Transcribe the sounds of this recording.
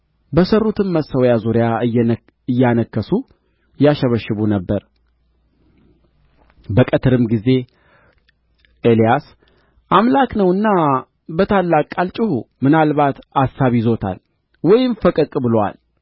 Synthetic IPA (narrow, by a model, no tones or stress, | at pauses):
bəsərːut̪ʰɨnməsəwjazuɾɪja | ɨjːanəkːəsu | jaʃəβəʃːɨβunəbːəɾ | bəkʼət̪ʰɨɾɨmɡize̞ | ʔelijas | ʔamlaknəwɨnːa | bət̪ʰalːakʼalt͡ʃʼɪhumɨnalβat̪asːaβizot̪ʰa̰l | wɔjɪmfəkʼɨkʼbɨləwa̰l